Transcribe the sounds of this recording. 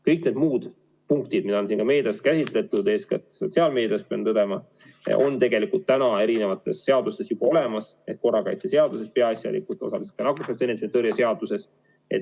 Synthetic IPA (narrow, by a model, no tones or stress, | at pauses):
kɤjk̚ne̞d̪̥muːd̪̥ | puŋkt̪id̪̥mid̪ɑonsinkɑme̞ːd̪̥ɑskæsʲit̪ˑle̞t̪ːˑud̪eːskɑ̰t̪so̞t̪siɑːlme̞ːd̪ijɑspeɑnt̪ɤd̪emɑ | o̞̰nt̪e̞ɡe̞likult̪ːænɑe̞ɾine̞vɑt̪ːˑe̞sːe̞ɑd̪̥ust̪e̞sjub̥ɑo̞le̞mɑs | e̞t̪̚ko̞rːɑkɑ̰jt̪sese̞ɑd̪̥use̞speɑɑsjɑ̰lḭkˑut̪o̞̰sɑlise̥t̪kɑnɑkusɑst̪eneset̪eɾjɑse̞ɑd̪̥use̞s | e̞̰t̪